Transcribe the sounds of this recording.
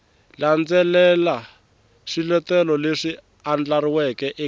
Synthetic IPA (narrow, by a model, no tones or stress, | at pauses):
land͡zɛlɛla | ʂilɛtɛlɔleʂi | and͡ɮaɾiwɛkɛʔɛ